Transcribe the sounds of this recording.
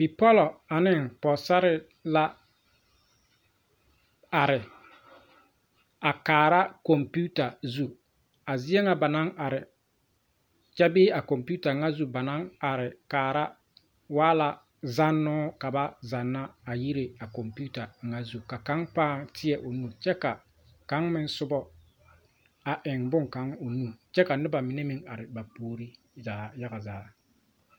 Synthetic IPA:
bi˨pɔ˦lɔ˨a˨nɪ˦ŋpɔ˨sa˦ɾɪ˦ | la˦ | a˨ɾɪ˨ | a˨kaː˨ɾa˦kɔ˨mpu˦ta˨zu˦ | a˨zɪ˦ɛ˦ŋa˦ba˨na˦ŋa˨ɾɪ˨ | t͡ʃa˦bɪː˦a˨kɔ˨mpu˦ta˨ŋa˦zu˦ba˨na˦ŋa˨ɾɪ˨kaː˨ɾa˦ | waː˦la˦ | za˦nːɔː˦ka˨ba˦za˨nːaː˦˨ji˦ɾe˨a˨ko˨mpu˦ta˨ŋa˦zu˨ka˨ka˦ŋpaː˦tʰɪ˦ɛ˨ʔo˨nu˦t͡ʃɛ˦ka˨ | ka˨˦ŋmɪ˦n˦sʊ˦bɔ˦ | a˨ʔɪ˨ŋbʊ˦ŋka˨˦ŋo˨nu˦˨t͡ʃɛ˦ka˨nɪ˦ba˨mɪ˨ne˦mɪ˦ŋa˨ɾɪ˨ba˨poː˦ɾi˦ | zaː˨ja˦ɣa˨zaː˦

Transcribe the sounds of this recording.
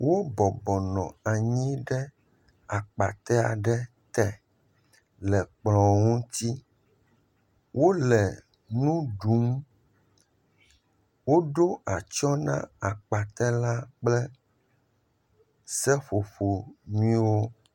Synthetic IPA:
wo˦bɔ˨bɔ˨nɔ̃˨a˨ɲĩ˦ɖɛ˦ | a˨k͡pa˨t̪ɛ˦a̰˨ɖɛ˦ | t̪ɛ˨ | lɛ˨k͡plɔ̃˨ŋũ˦t̪i˦ | wʔo˦lɛ˨ | nũ˦ɖu˨˦m | wo˦ɖo˦a˨t͡ʃɔ˦nã̰˦a˨k͡pa˨t̪ɛ˦la˦k͡plɛ˦ | sɛ˦ɸo˨ɸo˨nũ˦ĩ˦wo˦

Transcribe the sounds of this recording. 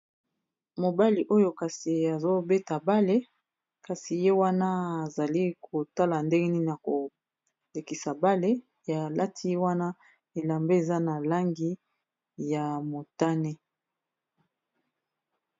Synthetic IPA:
mo˨ba˦li˨ʔo˦jo˦ka˨si˨a˨zo˦be˦ta˨ba˦le˦ | ka˨si˨je˦wa˦na˦a˨za˨li˦kʰo˨ta˦la˨nde˦ŋɡe˦ni˦na˨ko˨ | le˨ki˨sa˨ba˦le˦ | ja˨la˦tʰi˦je˦wa˦na˦ | e˨la˨mbe˦e˨za˦na˨la˦ŋɡi˦ | ja˨mo˨ta˦ne˦

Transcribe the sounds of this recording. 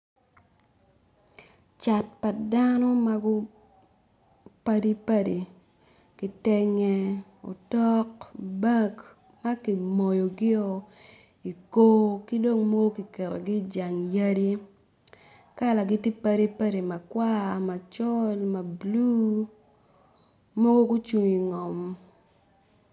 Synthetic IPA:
t͡ʃa˨t̚pa˨da˦nɔ˦ma˦ɡʊ˦ | pa˦di˦pa˦di˨ | kɪ˨tɛ˦ŋɛ˦o̰˨tɔ˦kba˦k | ma˦kɪ˨mo˨jo˨ɡɪ˦o˨ | i˨ko˦kɪ˦do˦ŋmɔ˦ɡo˦ki˨kɛ˨ɾo̰˨ɡɪ˦˨d͡ʒa˨ŋja˦di˦ | ka˦˨la˨ɡɪ˦tɪ˦pa˦di˦pa˦di˨ma˨kwa˦ma˨t͡ʃɔ˦lma˨blu˦ | mɔ˦ɡo˦kʊ˦t͡ʃu˨ŋi˨ŋɔ˨m

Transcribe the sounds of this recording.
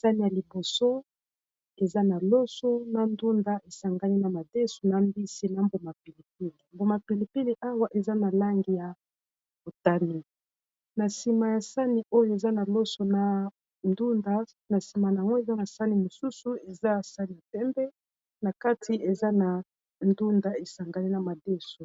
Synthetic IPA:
sa˦ni˨ja˨li˨bo˨so˦ | e˨za˦na˨lo˦so˦na˨ndu˦nda˦ʔe˨sa˨ŋɡa˦ni˦na˨ma˨de˦su˨na˨mbi˦si˦na˨mbo˨ma˨pi˨li˨p̚i˦ni˨mbo˨ma˨pi˨li˨pi˦ni˨ʔa˦wa˦ʔe˨za˦na˨la˦ŋɡi˨ja˨ | bo˨ta˦ni˨ | na˨si˨ma˨ja˨sa˦ni˨ʔo˦jo˦e˨za˦na˨lo˦so˨na˨ | ndu˦nda˦ | na˨si˨ma˨na˨a˨ŋɡo˦e˨za˦na˨sa˦ni˨mo˨su˦su˨e˨za˦˨sa˦ni˨ja˨tɛ˦mbɛ˦ | na˨ka˦tʰi˨˦e˨za˦na˨ | ndu˦nda˦e˨sa˨ŋɡa˦ni˦na˨ma˨de˦so˨

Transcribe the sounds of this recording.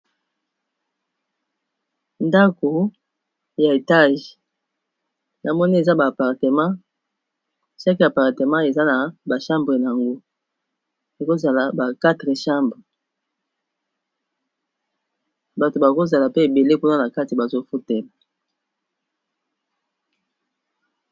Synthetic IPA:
nda˦ko˨ | ja˨e˨ta˦ʒ | na˨mɔ˦ni˦e˨za˦baː˨pa˨ʁte˨mã˦ | ʃa˦ki˨ja˨pa˨ʁte˨mã˦e˨za˦na˨ba˨ʃã˦mbʁe˨n˨a˨ŋɡo˦ | e˨ko˦za˨la˨ba˨ka˦tʁe˨ʃa˦mbʁe˨ | ba˨to˨ba˨ko˦za˨la˨pe˦e˨be˨le˦ku˦na˦na˨ka˦ti˨ba˨zo˦fu˦tɛ˨la˨

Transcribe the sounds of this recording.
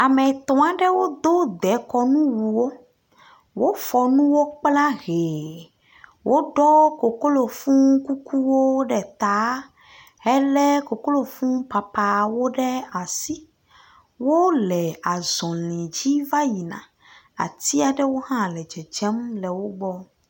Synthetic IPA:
a˨mɛ˨t̪ɔ̃˨a˨ɖɛ˦wo˦d̪o˦d̪ɛ˨˦kɔ˨nũ˦wu˨wo˦ | wo˦fɔ˨nũ˦wo˦k͡pla˦ɣe˨ | wʔo˦ɖɔ˦ko˨ko˦lo˨fũ˦ku˦ku˦wo˦ɖɛ˨t̪a˨˦ | ɛ˦lɛ˦ko˨ko˦lo˨fũ˦pa˨pa˨wo˦ɖɛ˦a˨si˦ | wo˦lɛ˨a˨zɔ̃˨lĩ˨d͡ʑi˦va˦ji˨nã̰˨ | a̰˨t̪i˦a˨ɖɛ˦wo˦ɦã˦lɛ˨d͡ʒɛ˨d͡ʒɛ˦mlɛ˨wo˦ɡ͡bɔ˦

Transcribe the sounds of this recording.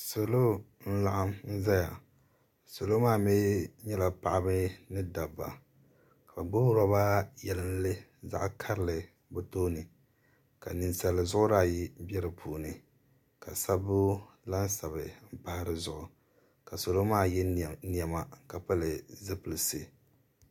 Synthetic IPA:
so˨lo˦ | n̩˦la˨ʔa˦mn̩˦za˦ja˨ | so˨lo˦maː˦˨mɛː˦ɲɛ˦la˨pa˨ʔa˦bɨ˦nɨ˦da˨bːa̰˨ | ka˨ba˨ɡ͡bo˦ɾa˦ba˦jɛ˨lɨ˦n˦lɨ˦za̰˦ʔkʰa˦ɾɨ˨lɨ˨ | bʊ˦to˦nɨ˨ | ka˨nɨ˨nsa˨lɨ˨zʊ˦ʔʊ˦ɾa˦˨ji˦bɛ˦ɾɨ˨pʰuː˨nɨ˨ | ka˨sa˦bʊ˦ | la˦n˦sa˨bɨ˨m̩˦pa˨ha˦ɾɨ˦zʊ˨ʔʊ˨ | ka˨so˨lo˦maː˦˨jɛ˦n˨ɛ˨ma˨ka˨pa˦lɨ˨zɨ˦pɨ˨lɨ˨sɨ˦

